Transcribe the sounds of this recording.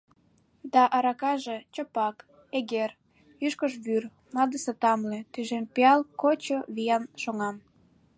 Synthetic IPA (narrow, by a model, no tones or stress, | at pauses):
d̪ɑʔɑɾɑkɑʒet͡ɕopɑk | eɣer | yʃkəʃβyr | nɑd̪əset̪ɑmlĕt̪yʒenpeɑlkot͡ɕoβijɑnʃoŋɑm